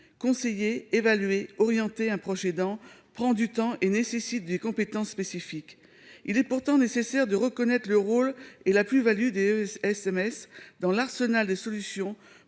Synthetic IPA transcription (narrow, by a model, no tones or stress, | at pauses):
kɔ̃sejeːvalɥeɔʁjɑ̃t̪eɛ̃pχɔʒɛd̪ɑ̃pχɑ̃d̪yt̪ɑ̃ʔenesesit̪̚d̪ekɔ̃pet̪ɑ̃sːpesifik | ilɛpuʁt̪ɑ̃nesesɛʁd̪əʁəkɔnɛt̪χələʁolelaplyvalyd̪eɛsɛmɛsd̪ɑ̃laʁsənald̪esɔlysjɔ̃